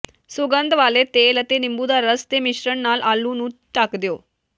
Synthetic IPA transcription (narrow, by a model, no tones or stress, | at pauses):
suɡənd̪ʱʋalet̪elət̪enimbuːd̪aɾəst̪emiɕɾəɳːalʔalːunũːʈakd̪joː